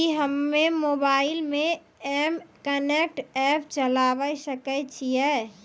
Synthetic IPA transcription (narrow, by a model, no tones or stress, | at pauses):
iɦəmːemoːbaːɪlmẽ | ɛːmkənek̚ʈɛːp̚t͡ʃəlaːʋəjsəkət͡ʃʰiɛ